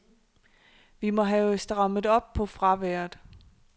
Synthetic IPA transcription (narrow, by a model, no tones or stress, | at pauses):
ʋimɒ̽ɦæsd̥ʁɑ̈məð̩ˠɒ̽b̥̚pʰɒ̽fʁɑ̈ʋæɐ̰dˠ